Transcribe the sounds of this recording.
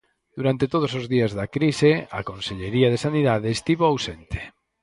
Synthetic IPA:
d̪̥uɾant̪et̪oð̞ʊsozðiazðɐkɾisea̰konseʎeɾiaðesaniðaðeːst̪iβoawsent̪e̥

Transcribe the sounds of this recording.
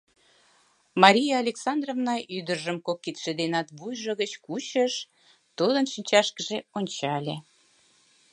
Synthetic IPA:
mɑɾʲijɑːlʲeksɑnd̪rovnɑʔyd̪ərʒəmkokːit̪ʃed̪enɑt̪βujʒəɣət͡ɕkut͡ɕəʃ | t̪ud̪ənʃinʲt͡ɕɑʃkəʒeonʲt͡ɕɑlʲe

